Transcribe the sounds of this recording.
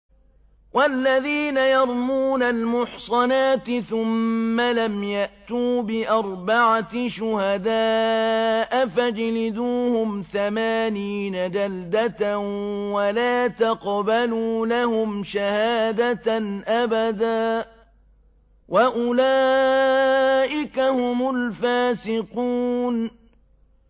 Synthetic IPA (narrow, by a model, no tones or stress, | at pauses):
wʔalːaðiːnajɑɾˤmuːnalmʊħsˤɑnaːt̪ɪθʊmːalamjaʔt̪uːbɪʔɑɾˤbɑʕaʃʊhad̪aː | ʔfad͡ʒlɪd̪uːhʊmθamaːniːnad͡ʒald̪at̪walaːt̪ɑqbaluːlahʊmʃahaːd̪anʔabad̪aː | waʔʊlaː | ʔɪkahʊmʊlfaːsɪquːn